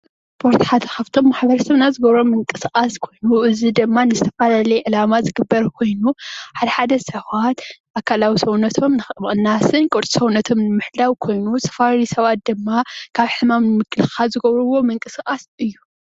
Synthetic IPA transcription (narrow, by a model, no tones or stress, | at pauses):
spʰoɾt̪ʰħat̪xɐft̪ʰo̞mːaħbɐɾɐsɐβnazɨɡɐβɾo̞mɨŋkʼɨsʔʼaskʰo̞jnuʔɨzid̪ɨmːanɨzɨt̪ʰɐfalalɐjɛʔɨlamazɨɡɨbːɐɾkʰo̞jnuħad̪ɐħad̪ɐsɐβat̪ʔakʰːalawisɐwnɐt̪ʰo̞mnɨxɨmʔʼɨnːasɨnkʼuɾt̪ʼisɐwnɐt̪ʰo̞mnɨmɨħlawkʰo̞jnutʰɐ̥faɾisɐβat̪̚d̪ɨmːakʰaβħɨmamnɨmɨkʰɨlxazɨɡɐβɾɨwo̞mɨŋkʼɨskʼasɨjːu